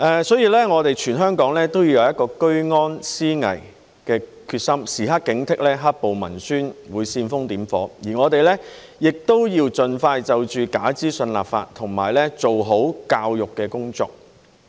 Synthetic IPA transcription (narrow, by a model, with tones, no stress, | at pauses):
ʔɛː˨sɔː˨˥jiː˨˧lɛː˥ŋɔː˨˧t̪e˨jt͡ʃʰyː˨˩nɦœː˥ŋkɔː˨˥ŋlɛː˥t̪o˥wji˧wjɐ˨˧wjɐ˥t̚kɔː˧kɵ˥ɥŋɔː˥nsiː˥ŋɐ̰˨˩j | kɛː˧kʰyː˧t̚sɐ˥msiː˨˩ɦɐ˥t̚kɪ˨˥ŋt̪ʰɪ˥k̚lɛː˥ɦa˥t̚po˨wmɐ̰˨˩nsyː˥nwuː˨˧jsiː˧nfʊ˥ŋt̪iː˨˥mfɔ̰ː˨˥jiː˨˩ŋɔː˨˧t̪e˨jlɛː˥ | jɪ˨k̚t̪o˥wjiː˧wt͡ʃɵ˨˧nfaː˧jt͡sɐ˨wt͡ʃyː˨kaː˨˥t͡siː˥sɵ˧nla̰ː˨p̚fa̰ː˧tt̪ʰʊ˨˩ŋma̰ː˨˩jlɛ˥t͡so˨wɦo˨˥wkaː˧wjʊ˨kːɛː˧kʊ˥ŋt͡sɔ̰ː˧k̚